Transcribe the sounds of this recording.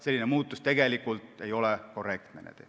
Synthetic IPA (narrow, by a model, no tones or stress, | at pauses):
selːinemuːt̪ːust̪eɡ̥elikːult̪eiolekorekt̪nḛnḛt̪ḛ